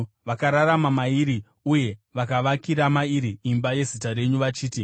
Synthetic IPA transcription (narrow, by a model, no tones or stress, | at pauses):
ʋakaɾaɾamamaiɾi | uje̞ʋakaʋakiɾamaiɾiːmbaje̞zitaɾe̞ɲuʋat͡ʃiːti